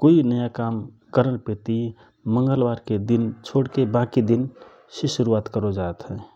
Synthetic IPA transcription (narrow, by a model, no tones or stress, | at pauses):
koːinəjakam | kəɾənpet̪i | mə̃ŋɡəlbaːɾked̪int͡ʃʰoːɽkebãkid̪in | seʃʊɾuaːt̪kəɾod͡ʒat̪ɦɛː